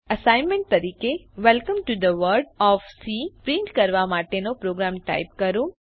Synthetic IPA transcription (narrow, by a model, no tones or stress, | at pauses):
əsaɪnmẽɳʈ̚t̪ɐɾiːkeʋɛlkə̃mʈud̪əʋəɾɖɔfsipɾĩɳʈkəɾʋamaːʈenopɾoːɡɾaːmʈa̰ɪp̚kəɾu